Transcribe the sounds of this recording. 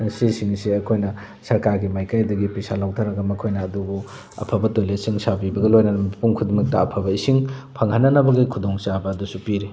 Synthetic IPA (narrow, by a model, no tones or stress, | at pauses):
sisiŋsiɐkʰojnɐ | sɐɾkaɾɡimajkajdɐɡipisalawtʰaɾɐɡɐmɐkʰojnɐːdubu | ɐ̰pʰɐbɐtojlesiŋsabibɐɡɐlojnɐnɐmɐpuŋkʰudimɐk̚tɐːpʰɐbɐisiŋpʰaŋhanːɐnɐbɐɡikʰudoŋsabɐːdusupiɾi